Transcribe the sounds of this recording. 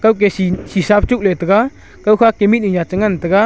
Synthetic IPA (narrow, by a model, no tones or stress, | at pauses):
kawk̬esisisap̚ʰt͡ʃuk̚letəɡa | kawkʰakemit̚niɲat͡ʃəŋant̪əɡa